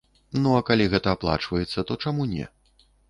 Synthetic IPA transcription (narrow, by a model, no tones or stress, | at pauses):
nuɐkalʲiɣɛt̪ɐːplˠa̰t͡ʂvɐjɛt̪sːɐt̪ɔt͡ʂamunʲɛ̰